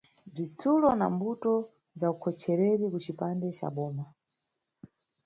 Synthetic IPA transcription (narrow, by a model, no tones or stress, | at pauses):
b͡ʐit͡sʰulɔna̰mbutɔ | zaukʰɔt͡ʃʰɛɾɛɾikut͡ʃipandɛt͡ʃa̰ɓɔːma